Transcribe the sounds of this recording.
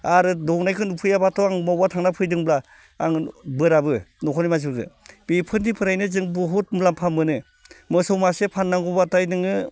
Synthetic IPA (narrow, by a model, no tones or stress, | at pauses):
aɾɯdɔwnajkʰɯnupʰɯjabatʰɔaŋmawatʰaŋnapʰɯjdɯŋbla | aŋbɯɾabɯnɔkʰɔnijmaz̬ɯɡɯ̰b̥ipʰɯndipʰɯɾajnɯzɯŋbɯɦut̚mɯlampʰamːɯnɯ | mɯsɔwmasepʰanːaŋɡubatajdɯŋɯ